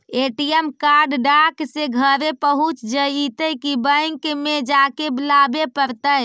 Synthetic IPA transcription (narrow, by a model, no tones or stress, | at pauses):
eʈijemkaɾɖɖakseɡʱəɾepəɦut͡ʃd͡ʒəit̪əjkibəjŋkmed͡ʒakeblabepəɾt̪əj